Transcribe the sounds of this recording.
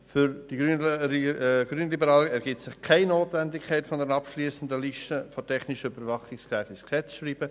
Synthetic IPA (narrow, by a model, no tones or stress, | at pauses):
fyɾd̥i̥y | ɡ̥ɾyːnlibəɾɑːlɛɾɡ̥ɪtsɪχkʰaɪnoːtvɛndɪkʰaɪtfɔndɛɾnɑpʃliːsən̩dəliʃtəfotʰɛχnɪʃəybəɾvɑχɪskʁɛːfɪsksɛt͡sʃriːb̥ə